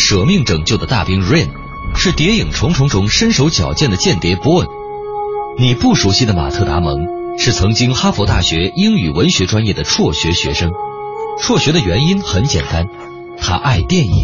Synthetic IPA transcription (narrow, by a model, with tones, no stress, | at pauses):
ʂɤ˨˩mi˥˩ŋʈ͡ʂɤ˨˩ŋt͡ɕjo˥˩ʊd̪ə˩t̪a̰˥˩pi˥ŋɻɛ˥˩n | ʂɻ̩˥˩t̪jɛ˧˥i˨˩ŋʈ͡ʂʰʊ˧˥ŋʈ͡ʂʰʊ˧˥ŋʈ͡ʂʰʊ˧˥ŋʂə˥nʂo˧˥ʊt͡ɕjɑ˨˩ʊt͡ɕjɛ˥˩nd̪ə˩t͡ɕjɛ˥˩nt̪jɛ˧˥pu˧˥wə˥˩n | ni˨˩pu˥˩ʂu˧˥ɕi˥˩d̪ə˩ma̰˨˩t̪ʰɤ˥˩t̪a̰˧˥mɤ˧˥ŋ | ʂɻ̩˥˩t͡sʰɤ˧˥ŋt͡ɕi˥ŋxa˥fɔ˧˥t̪a˥˩ɕɥɛ˧˥i˥ŋy˨˩wə˧˥nɕɥɛ˧˥ʈ͡ʂwa˥njɛ˥˩d̪ə˩ʈ͡ʂʰwɔ˥˩ɕɥɛ˧˥ɕɥɛ˧˥ʂɤ˥ŋʈ͡ʂʰwɔ˥˩ɕɥɛ˧˥d̪ɾə˧ɥɛ˧˥ni˥nxə˧˥nt͡ɕjɛ̰˨˩nt̪a˥n | t̪ʰa̰˥ʔa˥˧ɪt̪jɛ˥˧nḭ˨˩˦